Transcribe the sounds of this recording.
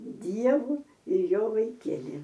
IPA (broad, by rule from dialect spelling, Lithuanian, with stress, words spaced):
ˈdʲiɛʋʊ ɪr ˈjoː ʋɐɪˈkʲiɛlʲɪ